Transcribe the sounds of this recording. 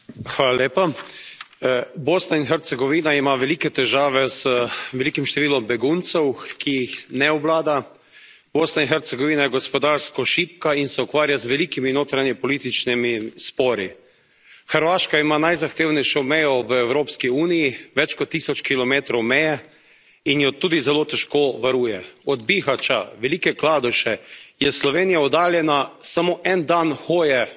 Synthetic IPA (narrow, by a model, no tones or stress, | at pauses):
xʋaːlaleːpa | boːsnainxɛɾt̪sɛɡɔʋiːnaimaʋɛliːkɛt̪ɛʒaːʋɛzəʋɛlikimʃt̪ɛʋiːlɔmbɛɡunt̪sɛwkʰijixnɛɔblaːd̪a | boːsnainxɛɾt̪sɛɡɔʋiːnajɛɡɔspɔd̪aːɾskɔʃip̚kainsɛukʋaːɾjazʋɛliːkiminoːt̪ɾanjɛpɔliːt̪it͡ʃnimispɔːɾi | xəɾʋaːʃkaimanajzaxt̪eːwnɛjʃɔmɛjɔʋəɛwɾoːpskiuːnijiʋɛt͡ʃkɔt̪ːisɔt͡ʃkilɔmeːt̪ɾɔwmɛjɛ | injɔt̪uːd̪izɛlot̪ɛʃkoʋaɾuːjɛɔd̪bixat͡ʃa̰ʋɛlikɛklaːd̪uʃɛjɛslɔʋeːnijaɔd̪aːljɛnasamoʔɛnd̪anxoːjɛ